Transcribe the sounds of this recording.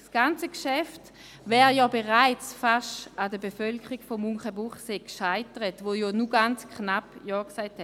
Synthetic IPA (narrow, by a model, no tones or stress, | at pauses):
sɡ̥ant͡səkʃɛft | vɛːʁjɔːbeʁaɪt͡sfaʃadəbefœlkʰəʁiɡfɔmuŋχəbuχseːkʃaɪtəʁətvojonuɡant͡skʰnapjɔːksaɪthɛt